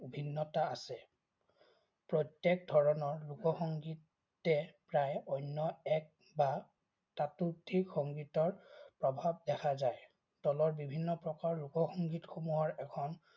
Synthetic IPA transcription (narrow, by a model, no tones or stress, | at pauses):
ubʱinːɔtaasɛ | pɹɔtːek̚dʱɔɹɔnɔɹlukɔxɔŋɡitː | ɛpɹajɔjnːɔɛk̚ | ba | tatutʰikxɔŋɡitɔɹpɹɔbʱab̚dɛkʰazaj | d̥ɔlɔɹbibʱinːɔpɹɔkaɹlukɔxɔŋɡitxomuɦɔɹɛkʰɔn